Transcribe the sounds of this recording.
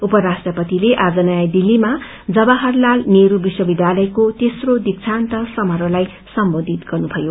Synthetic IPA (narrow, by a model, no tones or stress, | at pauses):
upʌɾasʈrʌpʌt̪ileʔad͡zʌnaajd̪ilːima | d͡zʌbʌɦʌrlalneɾubiswʌbid̪jalʌjkot̪esrod̪ik̚t͡sʰant̪ʌsʌmʌɾolaj | sʌmbod̪ʱit̪ɡʌrnubʰʱʌjo